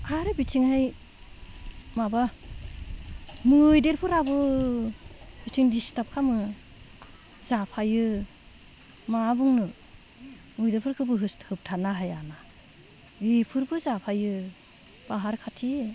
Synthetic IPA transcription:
aɾɯbitʰiŋhaj | maba | mɯjdeɾpʰɯɾabɯ | bitʰiŋdistap̚kʰamɯ | zapʰajɯ | mabuŋnɯ | mɯjdeɾpʰɯɾkʰɯbɯɦɯsthɯp̚tʰanaɦajana | bipʰɯɾbɯzapʰajɯ | b̥aɦaɾkʰatʰi

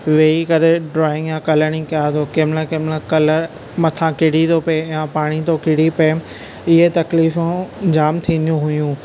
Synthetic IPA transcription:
ʋeːikɐɾeɖɾɔːɪ̃ŋɡjãkɐləɽ̃ĩkɐjaːt̪okeːmlãkeːmlãkɐlə | mɐt̪ʰãkɪɽ̤it̪opɐejãpaːɽ̃it̪okɪɽipɐe | ɪɦet̪ɐkliːfũd͡ʑaːmt̪ʰĩːnd̪ijũɦʊjũː

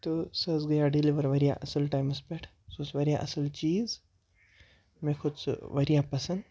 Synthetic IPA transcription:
t̪osɐzɡɐjaɖiliʋəɾʋɐɾija̰ʔɐsəlʈaːjmɐspeʈʰ | sosʋɐɾjaʔɐsəlt͡ʃiːz | mẽkʰʊd̪sʋɐɾijaːpɐsɐnd̪

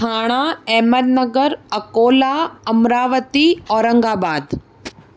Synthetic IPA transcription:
aːɽ̃aɛɦməd̪nɐɡəɾɐkoːlaːɐmɾaːʋət̪iɔːɾə̃ŋɡaːbaːd̪

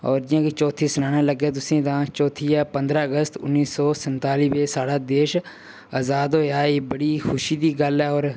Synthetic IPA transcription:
ɔːɾd͡ʒɪjãːkiːt͡ʃɔːt̪ʰiːsənãːnãːləɡeːt̪̬ʊsĩːt̪ãːt͡ʃɔːt̪ʰiːaːpənd̪ɾaːəɡəst̪ʊ̰nːiːsɔːsənt̪aːliːʋeːsaːɽaːd̪eːʃ | əzaːd̪ɦoːjaːebəɽiːkʰʊʃiːd̪iːɡəlɛːɔːɾ

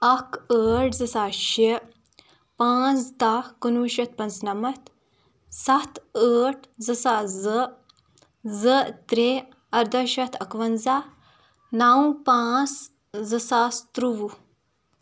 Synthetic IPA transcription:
ɐkəːʈzɨsaːʃe | pãːt͡sd̪aːhkɐnuːʃɐt̪̚pɐnt͡snɐmɐt̪ | sɐt̪əːʈzɨsaːzɨ | zɨt̪ɾe | ɐɾd̪ɐʃɐt̪ʰɐkʋɐnzaː | naːw̃pãːt͡s | zɨsaːst̪ɾuʋu

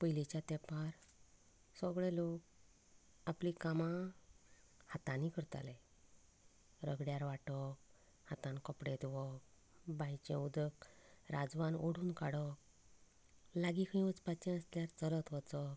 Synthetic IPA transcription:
pəjlit͡ɕjat̪ɛpaɾ | səɡɭelok̚ | aplikamã | hat̪ãnikəɾt̪a̰le | ɾəɡɽjaɾʋaʈɔk | hat̪ãnkəpɽet̪ʋɔk | bʱajt͡ɕḛ̃ud̪əkɾad͡zʋanoɽuːnka̰ɽɔk | laɡikʰĩʋət͡spat͡ɕɛ̃əsljaɾt͡sələt̪ɦɔt͡sɔk

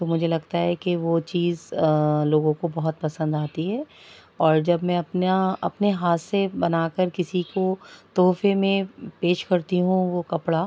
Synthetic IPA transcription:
t̪omʊd͡ʒʱelɐɡt̪aɦɛkeʋot͡ʃiːzloːɡõkobɐɦɔt̪̚pɐsə̃nd̪aːt̪iɦɛː | ɔːɾd͡ʒɐbmɛ̃ɐpnaɐ̰pneɦaːt̪sebɐnaːkəɾkɪsikot̪ɔːfemẽpeːʃkɐɾt̪iɦũʋokɐpɽa

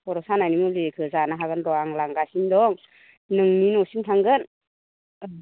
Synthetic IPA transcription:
pɔɾɔsanajnimulekʰɯzanaɦaɡɯnɾɔaŋlaŋɡasindɔŋ | nɯŋninɔsintʰaŋɡɯn

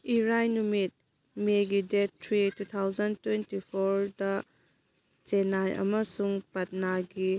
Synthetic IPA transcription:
iɾajnumit̚ | meɡidet̚ːʰɾitut̪ʰawzɐntwentipʰoɾdɐ | t͡ʃenajʔɐ̰mɐsuŋpɐt̚naɡi

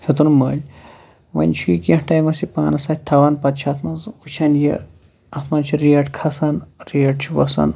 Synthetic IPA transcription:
het̪unmɐːlʲ | ʋɐ̰nʲt͡ʃʰujikẽhʈɐjmɐsipa̰ːnɐsat̪̚ʲt̪ʰɐʋɐnpɐt̪t͡ʃʰat̪ʰmɐzut͡ʃʰɐnje | ɐt̪ʰmɐt͡ʃʰiɾiɐʈkʰɐsɐnɾiʈt͡ʃʰiʋɐsɐ̰n

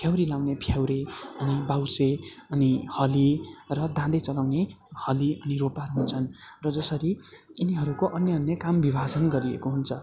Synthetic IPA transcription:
pʰjawɾilawnepʰjawɾeʌnibawseʌnihʌlirʌd̪ãd̪et͡sʌlawnehʌliʌniropaɾuɦunt͡sʰʌnrʌd͡zʌsʌɾiiniɦʌɾukoʔʌnːjʌʌnːjʌkambibʱad͡zʌnɡʌɾiḛkoɦunt͡sʰʌ

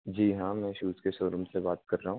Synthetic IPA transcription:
d͡ʒiːɦãmɛ̃ːʃuːskesoːɾʊmsebaːt̪̚kɐɾːaɦũ

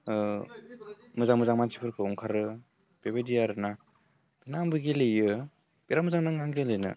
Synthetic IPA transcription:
mɯzaŋmɯzaŋmansi̥pʰɯɾkʰɯɔŋkʰaɾɯ | b̥ebedijaɾɯna | b̥inambɯɡelɯjɯ | beɾamɯzaŋnaŋaŋɡelɯjnɯ̰

